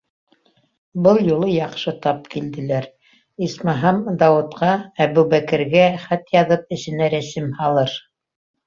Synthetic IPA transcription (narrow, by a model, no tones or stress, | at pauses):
bɤlˠjulˠɤjɑqʃɤt̪ɑp̚kild̪ɘ̆læɾ | ismɑɦɑmd̪ɑwɤ̆t̪qɑæβʉbækɘ̆ɾɡæχæt̪jɑðɤp̚ɘ̆sɘ̆næɾæsɘmhɑlˠɤɾ